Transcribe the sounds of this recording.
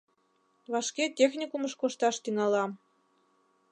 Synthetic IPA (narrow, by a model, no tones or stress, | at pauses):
βɑʃkʲetʲexʲnʲikumə̆ʃkoʃt̪ɑʃt̪inɑlˠɑ